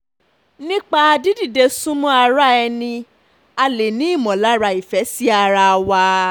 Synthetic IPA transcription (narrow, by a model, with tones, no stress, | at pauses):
nĩ˦k͡pa˦a˧di˦di˦˨de˧sũ˦mɔ̃˦a˧ɾa˦ɛ˧nĩ˧ | a˧le˨nĩ˦i˦˨mɔ̃˨la˦ɾa˧i˨fɛ˨˦si˦a˧ɾa˧wa˧